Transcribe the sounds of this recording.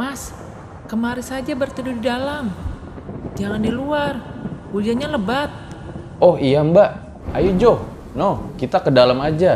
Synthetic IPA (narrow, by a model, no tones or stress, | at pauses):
mas | kəmaɾisad͡ʒabərt̪ədudidalam | d͡ʒaŋandiluar | ud͡ʒiaɲaləbat̪̚ | ɔhijambaʔ | ajud͡ʒɔh | nɔhkit̪akədalamad͡ʒa